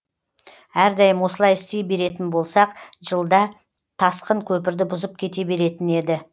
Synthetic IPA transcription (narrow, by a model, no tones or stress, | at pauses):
æɾd̪ɑjəmwo̞səlˠɑjɪst̪e̞jbe̞ɾe̞t̪ɪnbo̞lˠsɑqʒəlˠd̪ɑ | t̪ʰɑsqəɴkʲʰɵpɪɾd̪ɪbʊzəp̚kʲʰe̞t̪e̞be̞ɾe̞t̪ɪne̞d̪ɪ